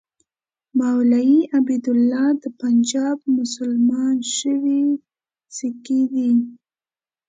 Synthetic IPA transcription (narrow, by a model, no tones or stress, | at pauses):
mawlajiʔabid̪ʊlːɑd̪əpand͡ʒɑb̚mʊsʊlmɑnʃəwi | sikid̪i